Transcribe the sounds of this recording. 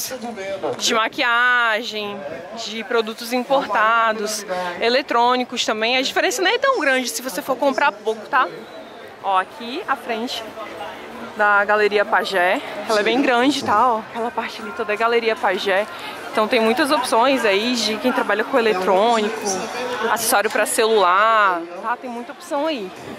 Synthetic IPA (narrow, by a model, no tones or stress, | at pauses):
d͡ʒɪmakiaʒẽj̃ | d͡ʒɪpɾod̪ut̪ʊzĩpoɾt̪ad̪ʊselet̪ɾõnikʊst̪ɐ̃mbẽj̃ɐd͡ʒifeɾẽsɐnɐ̃w̃ɛt̪ɐ̃w̃ɡɾɐ̃d͡ʒɪsɪvosefoɾkõmpɾapowkʊ̥t̪a | ɔakʰiafɾẽnt͡ʃɪ̥ | d̪ɐɡaleɾiɐpaʒɛɛlɐɛbẽj̃ɡɾɐ̃d͡ʒɪt̪aakɛlɐpaɾt͡ʃɪaliɪt̪od̪ɐɡaleɾiɐpaʒɛ | ẽt̪ɐ̃w̃t̪ẽj̃mũj̃t̪ɐzopsõj̃zaid͡ʒɪkẽj̃t̪ɾabaʎɐkõelet̪ɾõnikʊa̰sesaɾjʊpɾɐselulaɾt̪at̪ẽj̃mũj̃t̪ɐopsɐ̃w̃ai